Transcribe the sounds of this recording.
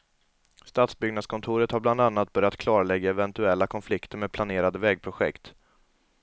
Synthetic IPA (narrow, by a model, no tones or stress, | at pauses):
st̪aːt̪sbʏɡnad̪skʰɔnt̪ʰuːɾət̪haɾbland̪anːat̪̚bœɾjat̪kʰlɑːɾaɭɛɡːaɛvɛnt̪ɵɛlːakʰɔnflɪkt̪əɾmeːd̪̚pʰlaneːɾad̪əvɛːɡ̚pʰɾʊɧɛ̰kt̪